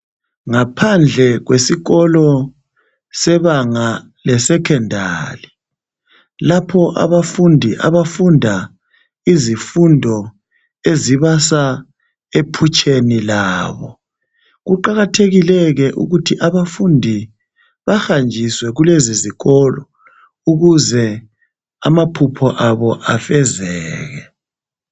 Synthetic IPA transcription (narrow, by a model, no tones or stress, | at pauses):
ŋapʰand͡ɮʱɛɣwʔesiɣɔlɔ | sɛβaŋa | lɛsɛkʰɛndʱa̰ːli | lapʰɔʔa̰βafundʱiʔa̰βafundʱa | izifundʱɔ | eziβasa | epʰut͡ʃʰʼenilaːβɔ | ɣuǃaɣatʰeɣilɛɣɛʔṵɣutʰiʔaβafundʱi | βaxand͡ʒʱiswɛɣuleziziɣɔlɔ | uɣuzɛ | a̰mapʰupʰɔʔaβɔʔafɛzɛːɣɛ